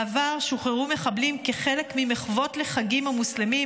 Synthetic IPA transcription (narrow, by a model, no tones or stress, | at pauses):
vaʁʃuχeʁume̞χablimkeχele̞kmimeχvo̞tle̞χaɡimamuslemi